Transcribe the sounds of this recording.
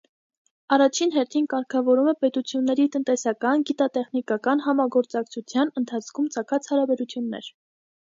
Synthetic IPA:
ɑrɑt͡ʃʰinɦɛɾt̪ʰinkɑɾkʰɑvɔɾumɛpɛt̪ut͡sʰjunːɛɾit̪ənt̪ɛsɑkɑnɡit̪ɑt̪ɛχnikɑkɑnɦɑmɑɡɔɾt͡sɑkt͡sʰut͡sʰjɑnənt̪ʰɑt͡sʰkʰumt͡sʰɑkʰɑt͡sʰhɑɾɑbɛɾut͡sʰjunːɛ̰ɾ

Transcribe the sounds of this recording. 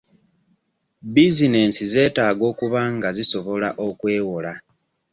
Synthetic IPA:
bizine̞nsize̞ːtaːɡo̞ːkuβaŋɡaziso̞βo̞laʔo̞kwe̞ːwola

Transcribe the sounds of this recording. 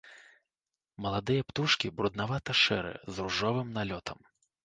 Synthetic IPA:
mɐlˠad̪ɨjɐpt̪uʂkʲibɾud̪navat̪ɐʂɛ̰ɾɨ̰zɾuʐɔvɨmnalʲɔt̪ʰɐm

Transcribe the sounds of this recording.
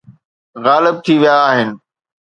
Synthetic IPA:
ɣaːlɪb̚t̪ʰiʋijaːɦɪnɪ̆

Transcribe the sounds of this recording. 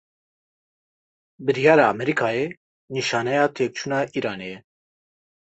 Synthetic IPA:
bɨɾijɑːɾɑːɑmɛɾikʰɑːje | niʃɑːnɛjɑːt̪ʰeːk̚t͡ʃʰuːnɑːʔiːɾɑːnejɛ

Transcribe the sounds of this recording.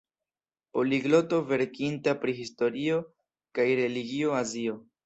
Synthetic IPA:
po̞liɡlo̞to̞ve̞ɾkintapɾiɦisto̞ɾio̞ | kajɾe̞liɡio̞azio̞

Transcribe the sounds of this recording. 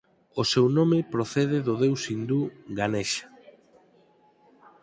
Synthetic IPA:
osewnõmɪpɾoθeðeðoðewsind̪uɡaneʃḁ

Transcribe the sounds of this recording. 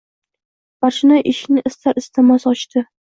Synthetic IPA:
b̥aɾʃɪnaʔɪʃnɪʔɪst̪ʰaɾɪst̪ʰɪmasɒt͡ʃt̪ʰɪ

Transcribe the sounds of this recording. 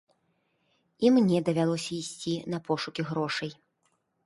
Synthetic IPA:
imnʲɛd̪ɐvʲalˠɔsʲɐisʲt͡sʲinɐpɔʂukʲiɣɾɔʂɐj

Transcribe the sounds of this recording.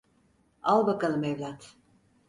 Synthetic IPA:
alˠbakalˠɯmɛvlʲat̪

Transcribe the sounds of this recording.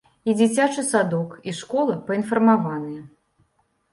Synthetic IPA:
id͡zʲit͡sʲat͡ʂɨsad̪ɔkiʂkɔlˠɐpɐinfɐrmavanɨjɛ

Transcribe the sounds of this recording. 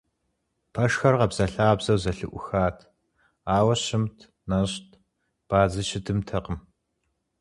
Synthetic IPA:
pʰɐʂxɐrʁɐbz̥ɐɬaːbzɐwzɐɬɨʔʷʊxaːtʰ | aːwɐɕɪmtʰ | nɐɕtʰ | b̥aːzɨʃɪtʰɨmtʰɐqəm

